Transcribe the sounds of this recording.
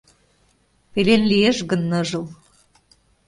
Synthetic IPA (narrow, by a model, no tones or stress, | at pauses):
pelenlieʃɣə̆nːɤ̆ʒɤ̆l